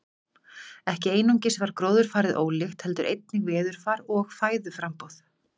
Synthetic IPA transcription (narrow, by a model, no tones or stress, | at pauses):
ɛhcɪeːjnuɲcɪsɛvaɾ̥kɾoːwðʏɾ̥faːɾɪðʔo̰ːwlɪxt̪hɛlt̪ʏɾʔḛjt̪̚nɪɣvɛːðʏɾ̥faːɾɔɣfaːjðʏfɾampowθ